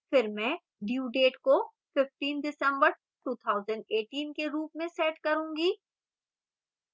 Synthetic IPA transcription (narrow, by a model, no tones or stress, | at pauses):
fɪɾmɛ̃ː | ɖjuːɖeːʈko | fɪfʈiːnɖɪsə̃mbəɾ | ʈuːt̪ʰaːʊzə̃ɳɖeːʈiːnkeɾuːp̚mẽsɛːʈkɐɾũːŋɡiː